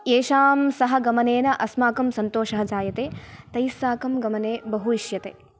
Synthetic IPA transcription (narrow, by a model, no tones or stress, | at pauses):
eːʃaːmsɐɦɐ̆ɡɐmɐneːnɐʔɐsmaːkɐmsɐnt̪oːʃɐɦɐ̆d͡ʒaːjɐt̪eːt̪ɐjsaːkɐmɡɐmɐneːbɐɦuiʃjɐt̪eː